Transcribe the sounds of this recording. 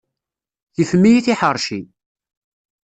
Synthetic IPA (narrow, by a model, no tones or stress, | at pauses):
jəfmijiθiħəɾˤʃi